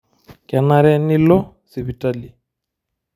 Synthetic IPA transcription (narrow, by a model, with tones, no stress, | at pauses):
ka˨na˨ɾɛ˦ni˦lɔ˦ | si˨βi˨ta˦˨li˨